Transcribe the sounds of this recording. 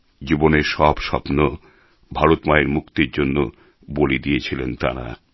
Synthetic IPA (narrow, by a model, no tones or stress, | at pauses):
d͡ʑiboneɾʃɔbʃɔ̰pno | bʱaɾot̪maeɾmukt̪eɾd͡ʑonːo | bolid̪ijet͡ɕʰilent̪a̰ɾa̰